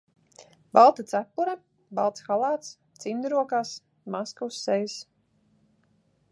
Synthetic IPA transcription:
balˠt̪at̪sæpːuɾa | balˠt̪sxalˠaːt̪s | t̪sind̪ɾuɔkaːs | maskuwsːɛjs

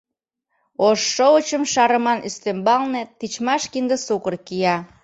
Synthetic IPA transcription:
oʃːoət͡ɕəmʃɑɾəmɑnʔyst̪embɑlnet̪it͡ɕmɑʃkind̪əsukərkijɑ

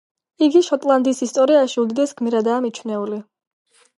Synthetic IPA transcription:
iɡiʃɔt̪ʼlˠand̪isist̪ʼɔɾiaʃiud̪id̪ɛsɡmiɾad̪aːmit͡ʃʰwnɛuli

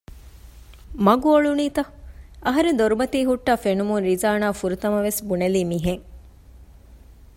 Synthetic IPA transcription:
mɐɡuoɭuniːt̪ɐʔɐɦɐɾend̪oɾubɐt̪iːɦuʈːafenumuɾizaːnaːfuɾut̪ɐmɐʋesbuneliːmiɦeŋ

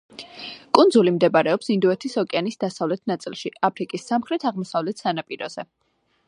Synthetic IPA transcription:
kʼund̪zulimd̪ɛbaɾɛɔpsind̪uɛt̪ʰishɔkʼɛanisd̪asavlɛt̪ʰnat̪sʼḭlˠʃiapʰɾikʼisːamχɾɛt̪ʰaʁmɔsavlɛt̪ʰsanapʼiɾɔ̰z̥ɛ

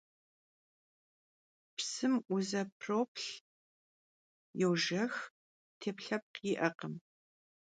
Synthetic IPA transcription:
pʰsɨmʔʷʊzɐp̚ʰroːpʰɬ | jɛwʒɐx | tʰeːpɬɐp̚qiːʔɐqəm

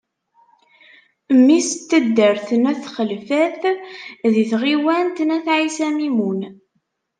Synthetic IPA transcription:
mːist̪ːəd̪ːəɾθənæθχəlfæθ | ðiθʁiwænt̪næθʕisæmimun

